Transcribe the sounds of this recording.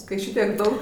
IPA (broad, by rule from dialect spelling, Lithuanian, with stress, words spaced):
kɐɪ ˈʃʲɪtʲiɛk ˈdɐʊk